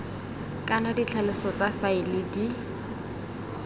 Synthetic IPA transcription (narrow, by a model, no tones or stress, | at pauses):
kʼanadit͡ɬʰalɪsɔt͡safailɪdi